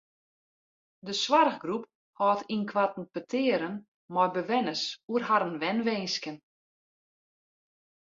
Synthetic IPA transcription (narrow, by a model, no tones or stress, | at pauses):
dəswarɣɡrup̚ | hɔːtʰinkʰwatn̩pətʰɪəɾən | mɔjbəʋɛnəsuərɦaɾənʋɛnʋenskən